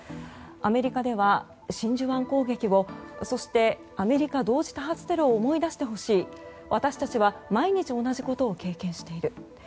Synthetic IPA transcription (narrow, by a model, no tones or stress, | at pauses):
ame̞ɾʲikad̪e̞β̞a | ɕĩɲ̟d͡ʑɨβãŋko̞ːɡe̞kʲibo̞so̞ɕi̥t̪e̞ | ame̞ɾʲikad̪o̞ːʑi̥t̪aɦat͡sɨ̥t̪e̞ɾɯ̟oːmo̞id̪aɕi̥t̪e̞ɦo̞ɕiː | βat̪aɕi̥t̪at͡ɕiβamaiɲ̟it͡ɕio̞naʑiko̞t̪o̞ːke̞ːkẽ̞ɰ̃ɕi̥t̪e̞iɾɯ̟